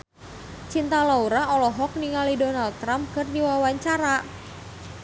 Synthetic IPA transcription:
t͡ʃint̪alauɾaʔɔlɔɦɔk̚niŋalidonald̪̚t̪ɾampkərniwawaɲt͡ʃaɾa

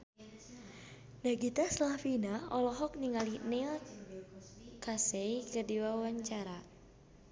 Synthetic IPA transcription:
naɡit̪aslafinaɔlɔɦɔk̚niŋalinɛ | kasɛikədiwawaɲt͡ʃaɾa

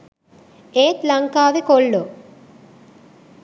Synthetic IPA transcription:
eːt̪lɐŋkaːʋekoɭːo

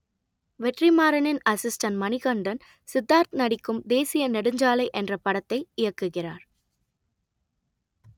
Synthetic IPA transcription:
ʋɛʈrimaːɾɐnɪnɐsɪsʈɐnmɐnɪɣɐɳɖɐn | sɪd̪ːaːɾt̪nɐɽɪkːɯmd̪eːsɪjɐnɛɽɯɲd͡ʒaːlɐɪʔɛndrɐpɐɽɐt̪ːɐɪɪjɐkːɯɣɪraːɾ

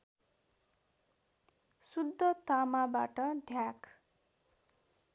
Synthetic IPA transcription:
sud̪ʱːʌt̪amabaʈʌɖʱjak

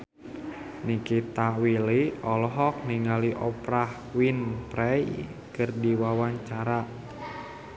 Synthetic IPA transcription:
nikit̪awiliɔlɔɦɔk̚niŋaliʔɔpɾah | winpɾɛj | kɨrdiwawaɲt͡ʃaɾa

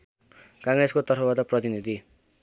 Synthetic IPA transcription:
kãŋreskot̪ʌrpʰʌbat̪aprʌt̪inid̪ʱi

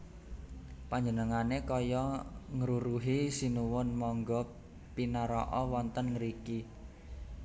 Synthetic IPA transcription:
paɲd͡ʒənəŋanekɔjɔŋɾuɾuɦisinuwʊnmɔŋɡɔ | pinaɾɔ̰ʔɔwɔnt̪ənŋəɾiki

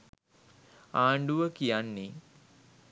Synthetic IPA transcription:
aːɳɖuʋəkijanːi

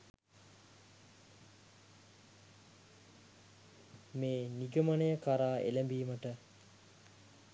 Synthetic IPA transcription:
meːniɡəmanəjəkaɾaːʔḛlæmbiːməʈə

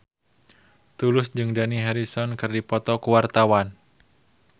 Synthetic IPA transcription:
t̪ulʊsd͡ʒɨŋdaniɦaɾisɔnkɨrdipɔt̪ɔkuwart̪awan

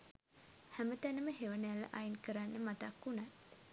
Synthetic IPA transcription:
hæmət̪ænəməɦeʋənəjælːə̰ʔajinkəɾanːəmat̪akːunat̪

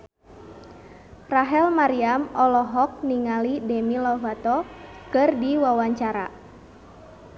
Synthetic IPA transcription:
raɦɛlmaɾiamɔlɔɦɔk̚niŋalidɛmilɔvat̪ɔkɨrdiwawaɲt͡ʃaɾa

